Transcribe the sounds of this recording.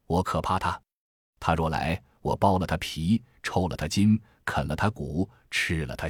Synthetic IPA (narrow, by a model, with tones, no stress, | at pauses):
wɔ˧˥kʰɤ˨˩pʰa˥˩t̪ʰa˥ | t̪ʰa˥ʂwɔ˥˩la̰˧˥ɪ | wɔ̰˨˩pɑ˥ʊlə˨t̪ʰa˥pʰi˧˥ | ʈ͡ʂʰo˥ʊlə˨t̪ʰa˥t͡ɕi˥n | kʰə˨˩nlə˦t̪ʰa˥ku˨˩˦ | ʈ͡ʂ̩ʰ˥˩lə̰˨t̪ʰa˥